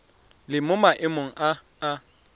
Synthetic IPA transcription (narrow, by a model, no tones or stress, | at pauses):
lɪmʊmaʔɪmoŋ̩ʔaː